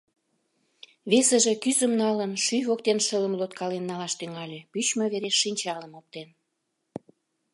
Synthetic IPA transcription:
βesəʒe̽kyzəmnɑlənʃyvok̚t̪enʃələmlot̪kɑlenːɑlɑʃt̪yŋɑlʲepyt͡ɕməβeɾeʃːinʲt͡ɕɑləmop̚t̪en

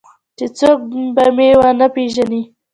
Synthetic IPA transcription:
t͡ʃet͡sok̚bamewanapeʒani

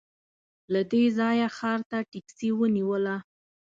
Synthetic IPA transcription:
lad̪ezɑjaxɑɾt̪aʈɪksiwəniwəla

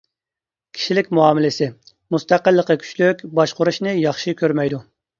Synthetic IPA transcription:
kʲʰi̥ʃilɪkʲmuɑːmɪlɪsɪ | must̪æqəlˠːəqəkʲʰy̥t͡ʃlykʲbɑʃqʊɾuʃnɨjɑχʃikʲʰøɾmɛjd̪u

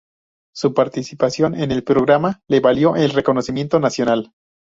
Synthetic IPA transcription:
supaɾt̪isipasjo̞ne̞ne̞lpɾo̞ɣɾamale̞βaljo̞ʔelre̞ko̞no̞simje̞nt̪o̞nasjo̞nal

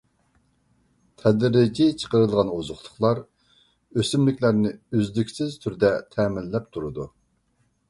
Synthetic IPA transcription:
t̪ʰɛd̪ɾɪd͡ʒit͡ʃʰə̥qəɾɨlˠʁɑnozʊχlˠʊχlˠɑɾ | øsymlɪkʲlæɾnɪyzd̪ykʲsɪz̥t̪ʰyɾd̪ɛt̪ʰɛmɪlːɛp̚t̪ʰuɾɨd̪u

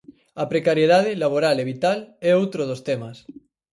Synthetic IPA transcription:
apɾekaɾjeðað̞elaβ̞oɾaleβit̪aleowt̪ɾoð̞ost̪emas

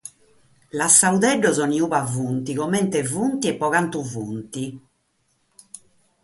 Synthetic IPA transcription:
lasauðɛɖːɔzɔniuβavunt̪iɣɔmɛnt̪ɛvunt̪iɛpːɔɣant̪uvunt̪i

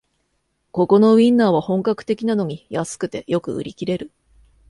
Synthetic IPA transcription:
ko̞ko̞no̞βĩnːaːβ̞ahõ̞ŋkakɯ̟̥t̪e̞kʲinano̞ɲ̟ijasɨ̥kɯ̟t̪e̞jo̞kɯ̟̰ɯ̰ɾʲikʲiɾe̞ɾɯ̟

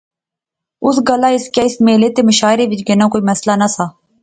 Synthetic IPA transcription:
ʊsɡəlaːɪskjaːɪsmeːleːt̪eːməʃaːɪɾeʋɪt͡ʃɡɪnãːkoːiːməslanasaː

